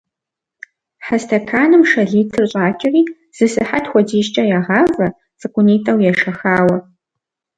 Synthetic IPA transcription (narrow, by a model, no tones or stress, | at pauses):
ħastʰɐkʰaːnɨmʂɐɮiːtʰɨrɕʼaːkʲʰʼɪriː | z̥ɨsɨħatxʷɔdiːʃt͡ʃʼɐjaːʁɑːvɐ | t͡sʼɨkʷʼʊniːtʼɐwjɛʂɐxaːwɐ